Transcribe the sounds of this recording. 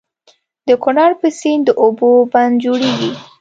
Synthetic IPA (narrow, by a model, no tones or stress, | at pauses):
d̪̥əkʊnɑɾpəsind̪əʔoboband̪̚d͡ʒoɽeɡi